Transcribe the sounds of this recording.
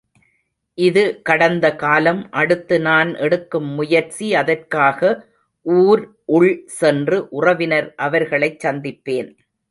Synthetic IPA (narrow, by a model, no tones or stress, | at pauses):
ʔɪðɯkɐɽɐnd̪ɐkaːlɐmʔɐɽɯt̪ːɯnaːnʔɛɽɯkːɯmːʊjɐɾt͡ʃiɐðɐrkaːɣɐ | ʔuːɾ | ʔʊɭsɛndrɯʔʊrɐʋɪnɐɾʔɐʋɐɾɣɐɭɐɪt͡ʃːɐnd̪ɪpːeːn